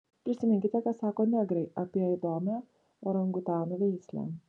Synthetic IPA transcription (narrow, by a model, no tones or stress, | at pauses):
pʲɾʲɪsʲɪmʲɪŋʲkʲɪt̪ʲɛkɐt̪sɑːkoːnʲæɡɾʲɛɪʔɐpʲiɛid̪oːmʲæː | oɾɐŋɡʊt̪ɑːnoʋʲɛɪsʲlʲæ̰ː